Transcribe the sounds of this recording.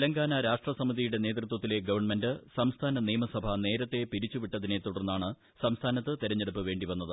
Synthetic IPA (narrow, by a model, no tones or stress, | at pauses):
lɐŋɡaːnɐɾaːʂʈrɐsɐmiðijuɽe̞ne̞ːt̪rɨt̪wɐt̪ːile̞ɡɐʋɐrɳme̞ndɨsɐmst̪ʰaːnɐniːmɐsɐbʱɐne̞ːɾɐt̪ːe̞piɾit͡ɕːuʋiʈːɐðine̞t̪ːuɽɐrnːaːɳɨ | sɐmst̪ʰaːnɐt̪ːɨt̪iɾɐɲːeɽupːɨʋe̞ːɳɖiʋɐnːɐðɨ